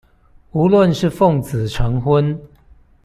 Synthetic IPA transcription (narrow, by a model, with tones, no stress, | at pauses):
u˨˧˦lwə˥˨nʂɻ̩˥˨fɔ˥˨ŋt͡s̩˨˩ʈ͡ʂʰa˨˧˥nxwə˦n